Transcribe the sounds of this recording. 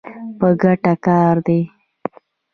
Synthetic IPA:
pəɡaʈakɑɾd̪e

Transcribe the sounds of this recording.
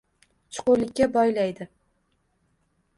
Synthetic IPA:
t͡ʃʰʊ̥qʊlɪkʲːabɒjlajd̪ɪ

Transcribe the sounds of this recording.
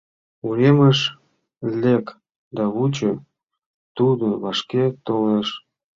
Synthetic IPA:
uɾeməʃ | lek | d̪ɑβut͡ɕo | t̪ud̪oβɑʃket̪oleʃ

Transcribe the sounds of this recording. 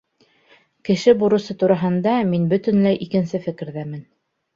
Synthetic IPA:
kɘ̆ʃɘbuɾɤ̆sɤt̪uɾɑɦɤ̆nd̪ɑminbɵ̆t̪ɘ̆nlæjʔikɘ̆nsɘfɘ̆kɘ̆ɾðæmɘn

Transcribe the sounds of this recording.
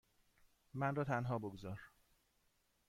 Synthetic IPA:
mænrɒːt̪ʰænɦɒːboɡzɒːɾ

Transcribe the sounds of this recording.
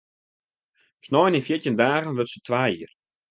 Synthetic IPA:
snɔːninfjitjəndaːχənʋøtsətʰʋaːiər

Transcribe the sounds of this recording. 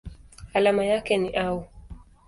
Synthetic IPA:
alamajakɛniʔau

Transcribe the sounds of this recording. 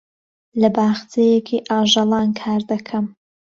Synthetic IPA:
lɐbaːxt͡sʰejekʰiʔaːʒɑlˠɑːnkʰaːɾd̪ɐkʰɐm

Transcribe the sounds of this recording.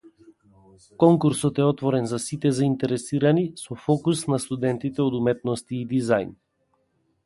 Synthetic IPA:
kɔŋkuɾsɔt̪ɛɔt̪vɔɾɛnzasit̪ɛzaint̪ɛɾɛsiɾanisɔfɔkusnast̪ud̪ɛnt̪it̪ɛɔd̪umɛt̪nɔst̪iːd̪izajn

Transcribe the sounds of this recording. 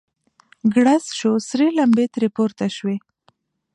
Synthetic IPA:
ɡɽasʃosɾelambet̪ɾepoɾt̪aʃwe

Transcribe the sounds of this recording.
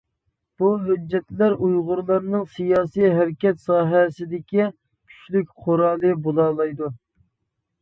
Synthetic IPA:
b̥uɦød͡ʒːɛt̪læɾujʁʊɾlˠɑɾnɨŋsijɑːsijɦæɾkʲɛt̪sɑːɦɛsɪd̪ɪkʲi | kʲʰy̥t͡ʃlykʲqʰoɾɑːlˠɨbolˠɑːlˠɑjd̪u

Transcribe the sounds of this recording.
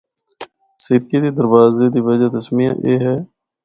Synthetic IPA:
sɪɾkiːd̪iːd̪əɾʋaːzeːd̪iːʋəd͡ʒaːt̪əsmijã̰ːʔeːɦɛː

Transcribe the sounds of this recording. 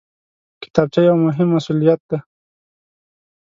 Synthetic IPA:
kɪ̥t̪ab̚t͡ʃajawmʊɦɪmːasulijat̪̚d̪̥a

